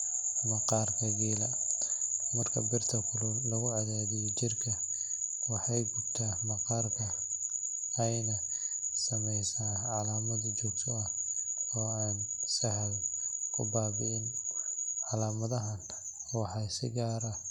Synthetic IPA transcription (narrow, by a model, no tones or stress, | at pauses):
mɑqɑːrkʰɐɡiːlɐ | mɐrkʰɐbɪrt̪ʰɐkʰʊlʊnlɐɣʊʕɑðaːðɪjɔt͡ʃɪrkʰɐ | wɑħɑjɡʊb̚t̪ʰaːmɑqɑːrkʰɐ | ɛjnɐ | sɐmɛjsaːʕɑlaːmɐd̪d͡ʒɔɡ̚t̪ʰɔɐɔːaːnsɐɦlkʰʊ̰baːbɪɪn | ʕɑlaːmɐðɐɦɐn | wɑħɑsɪ̰ɡaːɾɐ